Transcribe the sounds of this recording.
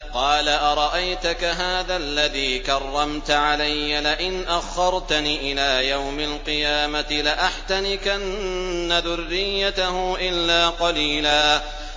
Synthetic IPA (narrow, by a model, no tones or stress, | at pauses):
qɑːlaʔɑɾˤɑʔajt̪ʊkaɦaːðalːaðiːkɑrˤːɑmt̪aʕalajːalɪʔɪnʔaxːɑɾˤt̪aniːʔɪlaːjawmalqɨjaːmat̪ɪlɪʔaħt̪anɪkaʔannːaðʊrːɪjːat̪ahʊʔɪlːaːqɑliːlaː